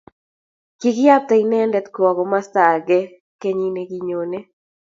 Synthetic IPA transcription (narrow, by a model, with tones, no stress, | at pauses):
ki˦ɡɪ˦ja˦p̚t̪ɛ˨i˨nɛ˦ndɛ˨t̪kɔ˨ɡɔ˨ma˦st̪a˨ɡɛ˦ | kɛ˦ɲi˦ne˨ɡi˦ɲo˨ne˦